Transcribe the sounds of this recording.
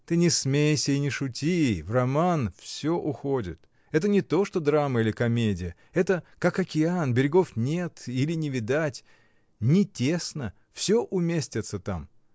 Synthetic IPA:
t̪ɨnʲɪsmʲejsʲəinʲɪʂʊtʲivrɐmanfsʲoʔʊxo̞dʲɪ̰t̪ | ɛt̪ənʲɪt̪o̞ʂt̪o̞d̪ɾaməilʲɪkɐmʲedʲɪjə | ɛt̪əkakɐkʲɪanbʲɪɾʲɪɡo̞fnʲe̞t̪ilʲɪnʲɪvʲɪd̪atʲ | nʲɪtʲesnə | fsʲoʔʊmʲesʲtʲɪt̪sət̪a̰m

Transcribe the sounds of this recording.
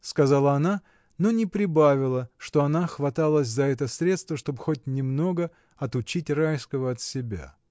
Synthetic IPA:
skɐzalˠəɐna | no̞nʲɪpɾʲɪbavʲɪlˠəʂt̪o̞ɐnaxvɐt̪alˠəsʲzɐɛt̪əsɾʲe̞t̪st̪vəʂt̪o̞bxo̞t̚ʲnʲɪmno̞ɡə | ɐt̪ʊt͡ɕitʲrajskəvəɐt̪sʲɪbʲa̰

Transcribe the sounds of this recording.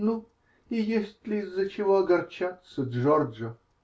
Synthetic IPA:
nu | ɪjesʲtʲlʲɪzːɐt͡ɕɪvoɐɡɐrt͡ʃat̪səd̪ʐɔrʒɐ

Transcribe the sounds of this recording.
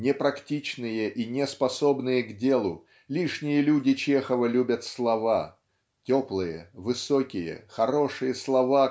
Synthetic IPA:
nʲɪpɾɐktʲit͡ɕnɨjəʔinʲɪspɐsobnɨjəɡdʲe̞lˠʊ | lʲiʂnʲɪjəlʲudʲɪt͡ɕexəvəlʲubʲət̪slˠɐva | tʲoplˠɨjə̰vɨsokʲɪjə̰xɐɾo̞ʂɨjəslˠɐva

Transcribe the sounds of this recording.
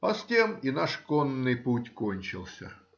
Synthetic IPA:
ɐstʲeminaʂkonːɨjputʲkonʲt͡ɕɪlˠsʲə̰

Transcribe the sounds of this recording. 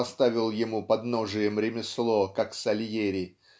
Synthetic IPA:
ɐst̪avʲɪlˠjɪmupɐd̪noʐɨjəmɾʲɪmʲɪslˠokaksɐlʲjeɾʲɪ

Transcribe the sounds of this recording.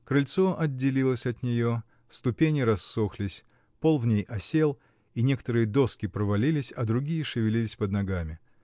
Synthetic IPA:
kɾɪlʲt̪soʔɐdʲːɪlʲilˠəsʲɐt̪nʲɪjo̞ | st̪ʊpʲenʲɪɾɐsːoxlʲɪsʲ | po̞lˠvnʲejʔɐsʲe̞lˠ | inʲe̞kə̥t̪əɾɨjəd̪o̞skʲɪpɾəvɐlʲilʲɪsʲɐd̪ɾʊɡʲijəʂɨvʲɪlʲilʲɪsʲpəd̪nɐɡamʲɪ

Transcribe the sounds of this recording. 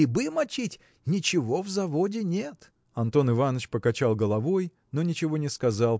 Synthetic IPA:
ɪbɨmɐt͡ɕitʲ | nʲɪt͡ɕɪvo̞vzɐvo̞dʲɪnʲe̞t̪ | ɐnt̪o̞nɨvanət͡ɕpəkɐt͡ɕalˠɡəlˠɐvo̞j | no̞nʲɪt͡ɕɪvo̞nʲɪskɐzalˠ

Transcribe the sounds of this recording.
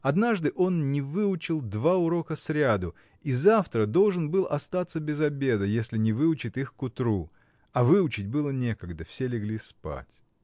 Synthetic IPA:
ɐd̪naʐd̪ɨʔo̞nnʲɪvɨʊt͡ɕɪlˠd̪vaʊɾo̞kəsɾʲad̪ʊ | izaft̪ɾəd̪o̞lˠʐɨnbɨlˠʔɐst̪at̪səbʲɪzɐbʲe̞d̪əjesʲlʲɪnʲɪvɨʊt͡ɕɪt̪ixkʊt̪ɾu | ɐvɨʊt͡ɕɪt̚ʲbɨlˠənʲe̞kəɡd̪əfsʲelʲɪɡlʲispa̰tʲ

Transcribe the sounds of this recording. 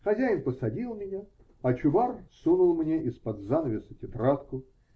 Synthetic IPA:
xɐzʲæjɪnpəsɐdʲilˠmʲɪnʲa | ɐt͡ɕʊvarsunʊlˠmnʲeʔɪspɐd̪zanəvʲɪsətʲɪt̪ɾat̪kʊ

